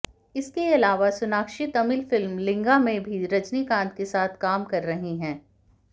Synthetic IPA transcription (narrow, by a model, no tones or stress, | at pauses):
ɪskeɐlaːʋasʊnaːkʃɪt̪ɐmɪlfɪlmlɪ̃ŋɡamẽbʱiɾɐd͡ʒnikãːnt̪kesaːt̪ʰkaːmkɐɾːɐɦiɦɛ̃ː